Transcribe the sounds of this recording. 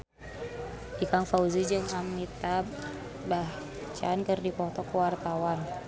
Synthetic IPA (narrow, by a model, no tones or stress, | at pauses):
ikaŋfauzid͡ʒɨŋamit̪a | bah | t͡ʃa̰nkərdipɔt̪ɔkəwart̪awan